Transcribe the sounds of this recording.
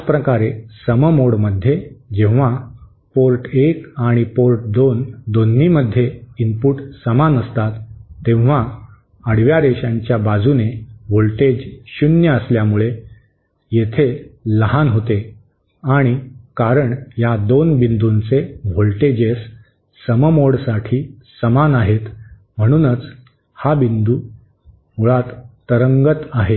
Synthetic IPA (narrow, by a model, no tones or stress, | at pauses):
t͡spɾəkaɾesəməmoɽməd̪ʱjed͡ʑẽʋ̤a | poɾʈekaɽ̃ipoɾʈ̚d̪ond̪onːiməd̪ʱːjeimpuʈsəmanəst̪at̪ːẽʋʋ̤a | əɽʋjaɾeɕãɲt͡ɕjabad͡zuneʋolʈed͡ʑɕunjəəsljamuɭe | jet̪ʰeləɦanɦot̪e | aɽ̃ikaɾəɳjad̪onbind̪unt͡seʋʱolʈed͡ʑes | səməmoɽsaʈʰiː | səmanaɦet̪ | m̤əɽ̃uːnət͡s | habind̪uː | muɭat̪ː | əɾəŋɡət̪aɦe